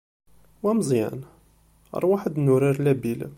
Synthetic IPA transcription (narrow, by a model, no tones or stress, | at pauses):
wæmzˤjæ̰n̰ | ɾˤwaħəd̪nuɾiɾlæbila̰